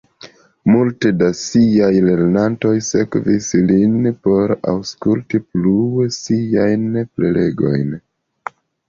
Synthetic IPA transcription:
multedasiajle̞ɾnanto̞jse̞kvislinpo̞ɾa̰wskultiplusiajnple̞le̞ɡo̞̰jn

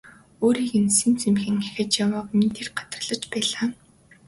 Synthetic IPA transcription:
oːɾiːkensĭːnt͡sʰemxɘ̆ŋæxʲɪ̆t͡ɕjawəːqniːt̪ʰerɢḁt̪ərə̆ɮə̆t͡ɕpæːɮaː

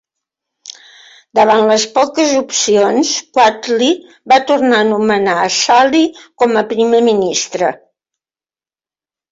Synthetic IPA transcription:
d̪əβanləspɔkəzupsionskwat̪li | bat̪urnaənumənaəsalikɔməpɾimeminist̪ɾə

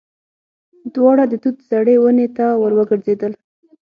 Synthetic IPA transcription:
d̪wɑɽad̪ət̪ut̪saɽewənet̪awəɾwəɡəɾzed̪əl

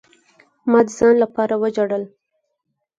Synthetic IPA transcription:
mɑd̪əzɑnlapɑɾawəd͡ʒaɽəl

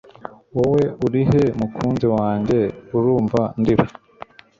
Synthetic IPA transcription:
wowe̞uɾihe̞mukʰuːnziwaːɲɟe̞uɾuːɱvandiβa

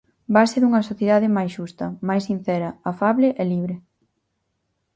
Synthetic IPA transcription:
baseðuŋɐsoθjeðaðemajsʃust̪ɐmajsin̟θɛɾɐafaβlɪʔɛliβɾe

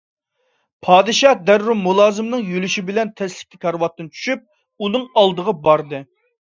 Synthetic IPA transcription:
pʰɑːd̪ɨʃɑd̪ɛɾːumulˠɑːzɨmnɨŋjølyʃibɪlɛnt̪ʰɛslɪ̥k̚ʲːikʲʰɑɾwɑt̪ːɨnt͡ʃʰy̥ʃyp̚ | unɨŋɑlˠd̪əʁɑbɑɾd̪ɨ

